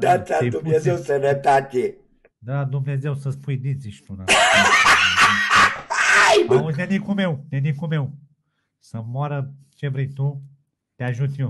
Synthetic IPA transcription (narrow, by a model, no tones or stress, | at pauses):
d̪at̪aed̪umnezewsənət̪at̪ʲe | d̪ad̪umnezewsəspujd̪iziʃt̪una | ajuzʲnʲenikumewnʲenikumew | səmoaɾə | t͡ʃevɾejt̪u | t̪eaʒut̪ʲnʲew